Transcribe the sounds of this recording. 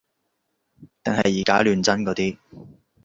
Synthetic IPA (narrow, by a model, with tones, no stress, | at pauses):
t̪ɪ˨ŋɦɐ˨jːiː˨˩kaː˥lyː˨˧nt͡sɐ˥nkɔː˨˧˥t̪iː˥